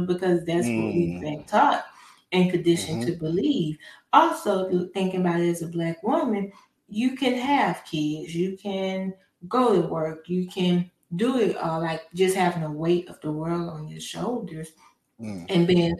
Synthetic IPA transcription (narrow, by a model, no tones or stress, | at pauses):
bɨkʰʌzðætswʌ̰ʔɨbæ̃ŋ̚tʰʌp | ɨ̃nkɨ̃n̩dɪʃɨ̃ntʰɨbəliv̥ɔlˠsoʊθɪ̃ŋkɪ̃ŋəbaʊɾɨɨzɨblækwʊ̃mɨ̃n | jɨkʰɨ̃nɨv̥kʰɪdzjɨkʰɨ̃n | ɡoʊɾəwɜ˞kjɨkʰɨ̃n | dəɪɾʌlaɪk̚d̥ʒ̥ʌst̚hævɪ̃ŋəweɪɾʌ̰vðəwɜ˞lˠd̃n̩jə˞ʃoʊlˠdə˞z̥ | ɨ̃nbɪ̃n